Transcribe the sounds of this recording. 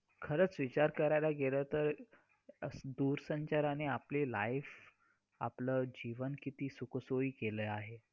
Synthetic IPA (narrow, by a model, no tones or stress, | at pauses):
kʰəɾəːt͡sʋit͡ɕaɾkəɾajlaɡelət̪əɾ | d̪uɾsəɲt͡ɕaɾaneapliːla̰jf | a̰pləːd͡ʑiʋənkit̪iːsuksoiːkeləaɦe